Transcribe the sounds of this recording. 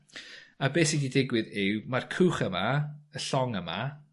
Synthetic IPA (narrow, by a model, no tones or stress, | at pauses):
abeːsididɪɡwɪðɪwmarkʰuːχəmaəɬɔŋəma̰